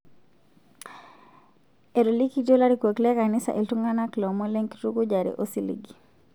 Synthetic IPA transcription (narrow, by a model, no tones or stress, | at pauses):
eɾolikidolaɾikwoklekanisa̰ʔeltuŋɡanaklɔmoleŋki̥tukud͡ʒaɾḭʔosilḭɡi